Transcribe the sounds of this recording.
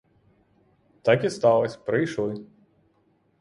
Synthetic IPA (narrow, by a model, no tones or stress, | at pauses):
t̪ɑkʲist̪ɑlˠɐsʲpɾɪjʃlˠɪ